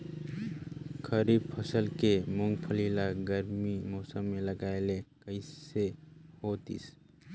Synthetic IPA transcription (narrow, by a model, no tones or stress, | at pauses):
kʰəɾib̚pʰəsəlkemoŋɡpʰəlilaɡəɾmimɔːsəmːeləɡaelekəɪssehot̪ḭs